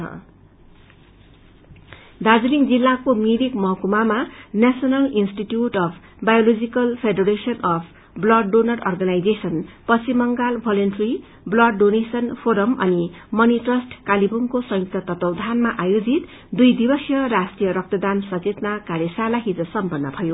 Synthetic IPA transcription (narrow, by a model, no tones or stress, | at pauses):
ʌ̰ | d̪ad͡ziliŋd͡zilːakomiɾikmʌɦkumamanasʌnʌlinsʈiʈjuʈʌpʰbajolod͡zikʌlpʰeɖʌɾesʌnʌpʰ | blʌɖonʌrʌrɡʌnajd͡zesʌnpʌsimʌŋɡalbʱʌlonʈri | blʌɖɖonesʌnpʰoɾʌmʌ̰nimʌniʈrʌsʈkalibuŋkosʌ̃ŋjuk̚t̪ʌt̪ʌt̪ʌwd̪ʱanmaʔajod͡zit̪ | d̪ujd̪ibʌsjʌrasʈijʌɾʌk̚t̪ʌd̪ansʌt͡set̪nakaɾjʌsalaɦid͡zʌsʌmpʌnːʌbʱʌjo